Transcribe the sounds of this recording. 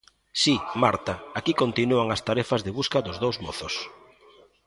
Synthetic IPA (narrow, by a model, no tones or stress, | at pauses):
simaɾt̪aakikont̪inuaŋast̪aɾɛfɐzðɪβuskɐðʊzðowzmoθʊs